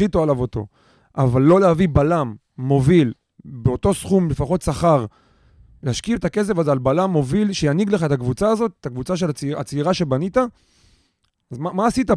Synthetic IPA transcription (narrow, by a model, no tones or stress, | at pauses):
it̪oalavot̪o̞̰ | ʔavalːo̞leavibalamː | o̞vil | beo̞to̞sχumlefaχo̞t̪saχaʁ | lehaʃkietake̞s̬e̞vazealbalamːo̞vilʃejaniɡleχaet̪akvut͡saːzo̞tet̪akvut͡saʃ̬e̞lat͡sat͡siʁaʃe̞banit̪a | azmamaːsita